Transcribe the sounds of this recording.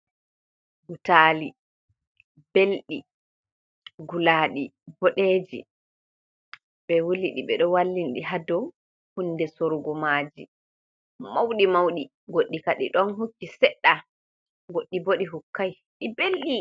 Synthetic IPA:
hutaːli | belɗi | ɡulaːɗibɔɗeːd͡ʒḭ | ɓɛwuliɗḭɓɛɗɔwalːinɗḭɦadɔ | hunːdɛsoɾɡɔmaːd͡ʒḭ | mawɗimawɗi | ɡoɗːikaɗḭɗɔnɦukːisɛɗːa | ɡoɗːiboɗiɦukːaj | ɗibelɗi

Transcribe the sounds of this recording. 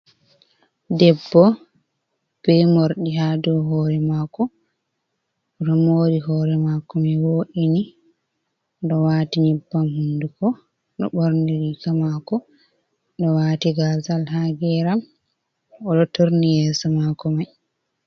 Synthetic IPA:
dɛbːɔ | b̥ɛjmoɾɗiadɔwɦɔːɾɛmakɔ | ɗɔmoːɾiɦɔːɾɛmaːkɔmɛwoːʔini | ɗɔwaːtiɲibːamhundukɔ | ɗɔ̰ɓɔɾniɾikamaːkɔ | ɗɔwaːtiɡazalɦaɡɛɾam | ɔɗɔtoɾnijɛːsɔmakɔmaj

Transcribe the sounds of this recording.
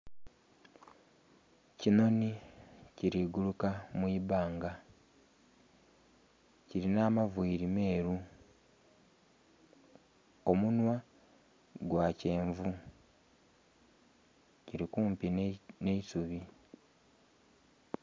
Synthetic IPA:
cino̞niciɾiːɡulukamwiːβaːŋɡa | ciɾinamavwiːɾime̞ːɾu | o̞munwa | ɡwace̞ːɱvu | ciɾikuːmpinne̞isuβi

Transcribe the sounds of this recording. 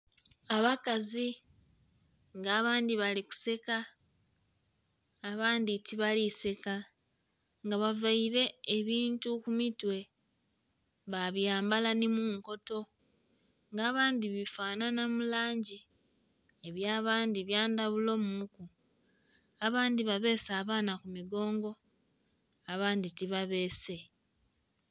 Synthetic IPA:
aβakazi | ŋɡaːβaːndiβaliku̥se̞ka | βaːnditiβalise̞ka | ŋɡaβavaiɾe̞ːβiːntukumitwe̞ | βaβjaːmbalanimuːŋko̞to̞ | ŋɡaːβaːndiβifaːnanamulaːɲɟi | eβjaːβaːndiβjaːndaβulo̞ːmuku | aβaːndiβaβe̞ːsaːβaːnakumiɡo̞ːŋɡo̞ | aβaːnditiβaβe̞ːse̞

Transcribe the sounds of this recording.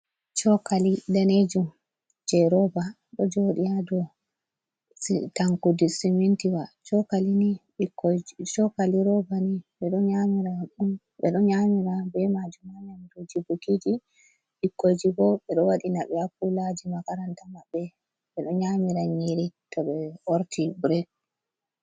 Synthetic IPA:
t͡ʃɔkalidaned͡ʒum | d͡ʒɛɾɔba | ɗɔd͡ʒoɗiadɔ | taŋkudisimintiwat͡ʃɔkalini | ikːt͡ʃɔkaliɾɔbaniɓɛɗɔnɲamiɾaɗum | ɓɛɗɔnɲamiɾabɛmad͡ʒumaɲamdod͡ʒibukid͡ʒi | ɓikːod͡ʒibɔɓɛɗɔwaɗinaɓɛakːulad͡ʒimakaɾantamabːɛ | ɓɛɗɔnɲamiɾaɲiɾitɔɓɛoɾtibɾɛ

